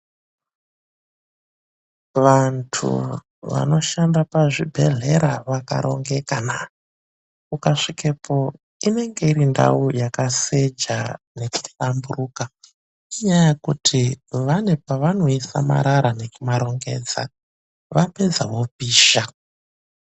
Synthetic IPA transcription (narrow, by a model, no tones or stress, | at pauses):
ʋantʰṵ | ʋa̰no̞ʃandapaʐibʱe̞̰ɮe̞ɾaʋaka̰ɾo̞ŋɡe̞kana | kukaʂikepʰo̞ | ine̞ŋɡe̞irinda̰ujakase̞d͡ʒane̞ku̥tambuɾuka | iɲajakutʰiʋane̞paʋano̞isa̰ma̰ɾaɾane̞kumaɾo̞ŋɡe̞̰ːd͡za̰ | ʋape̞d͡zaʋo̞piːʃa